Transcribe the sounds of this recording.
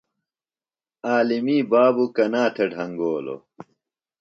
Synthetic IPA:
aːlimiːbaːbukɐnaːt̪ʰeɖʱɐŋɡoːlo̰

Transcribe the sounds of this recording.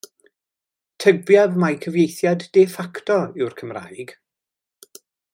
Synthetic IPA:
tʰəbjaðmajkʰəvjejθjadːɛfaktʰɔɪwrkʰəmra̰ːjɡ̥

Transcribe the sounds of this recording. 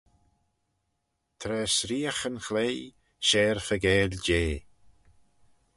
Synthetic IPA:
t̪ʰɾɛːsɾiːəxənxlej | ʃɛːɹfəɡɛːld͡ʒeː

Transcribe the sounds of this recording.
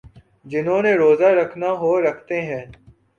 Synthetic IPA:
d͡ʒɪnɦõːneːɾoːzaːɾəkʰnaːɦoːɾɐkʰt̪eːɦɛ̃ː

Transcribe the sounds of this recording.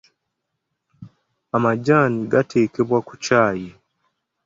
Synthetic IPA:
amad͡ʒaniɡatʰeːkeβwaku̥t͡ʃaːji

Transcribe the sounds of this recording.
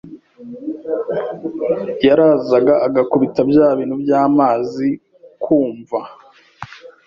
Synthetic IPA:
jaɾaːzaɡaʔːɡakuβitabjaːβiːnhubjaːmaːzi | kʰuːɱva

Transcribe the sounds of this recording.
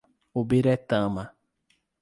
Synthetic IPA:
obeɾɛt̪ãma

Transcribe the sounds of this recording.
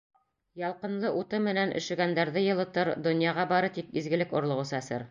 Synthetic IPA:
jɑlˠqɤ̆nlˠɤʔut̪ɤmɘ̆nænʔɘ̰̆ʃɘ̆ɡænd̪æɾðɘjɤ̆lˠɤ̆t̪ɤɾd̪ŏnjɑʁɑbɑɾɤt̪ikizɡɘ̆lɘkŏɾlˠɤ̆ʁɤ̆sɤæsɘ̰ɾ

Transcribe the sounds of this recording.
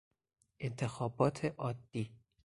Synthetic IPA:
ʔent̪ʰe̞xɒːbɒːt̪ʰeʔɒːd̪̥ːiː

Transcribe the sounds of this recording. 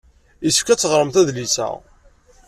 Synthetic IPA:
jəsə̥fkæt͡sːəʁɾˤəmθæðlisæ̰

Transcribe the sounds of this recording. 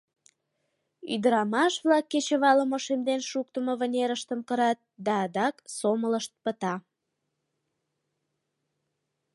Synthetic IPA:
y̰d̪əɾɑmɑʃβlɑkːet͡ɕəβɑləmoʃemd̪enʃukt̪əməβənʲeɾəʃt̪əmkəɾɑt̪̚d̪ɑːd̪ɑksomələʃt̪̚pə̆t̪ɑ

